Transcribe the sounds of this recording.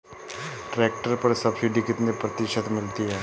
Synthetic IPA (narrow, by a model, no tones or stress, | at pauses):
ʈɾɛːk̚ʈəɾpɐɾsɐbsiɖikɪt̪nepɾɐt̪ɪʃət̪mɪlt̪iɦɛː